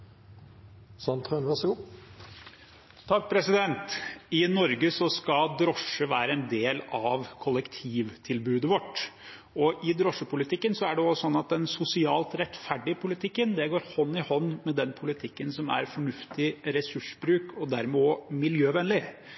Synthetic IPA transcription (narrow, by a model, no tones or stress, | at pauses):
sɑnt̪ʰʁønʋæʁsəɡu | t̪ʰɑk̚ːpʰɾɛsɪd̪ɛnt̪ɪnɔɾɡəsɔskɑd̪ɾɔʂəʋæːɾəɛnd̪eːlɑʋkʰɔlɛkt̪ʰiːʋt̪ʰɪlbʉːd̪əʋɔʈː | ɔʔɪd̪ɾɔʂːəpʰʊlɪt̪ʰɪkːənsɔæɖɛɔsɔnːɑt̪̚d̪ɛnsʊsɪɑːlt̪ɾɛt̪fæɖɪəpʰʊlɪt̪ʰɪkːənd̪ɛɡoːɾhɔnːɪhɔnːmɛd̪ɛnpʰʊlɪt̪ʰɪkːənsɔmæ̰ɾfɔɳʉft̪ɪɾɛsʉʂbɾʉːkɔd̪æɾmɛomɪljøːʋɛnlɪ